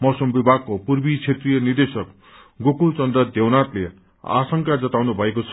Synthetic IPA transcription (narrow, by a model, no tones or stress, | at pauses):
mosʌmbibʱaɡ̚kopurbit͡sʰet̪rijʌnird̪esʌk | ɡokult͡sʌnd̪ʌd̪ewnat̪le | a̰sʌŋkad͡zʌt̪awnubʱʌekot͡sʰʌ